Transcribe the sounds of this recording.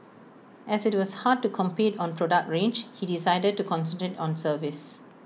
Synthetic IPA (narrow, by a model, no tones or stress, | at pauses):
ʔɛsɪt̚wɔshad̚tukʰɔ̃mpitɔ̃npʰɹɔdak̚tɹẽnd͡ʒhidisaɪdəd̚tukʰɔ̃nsə̃ntɹetɔ̃nsəvis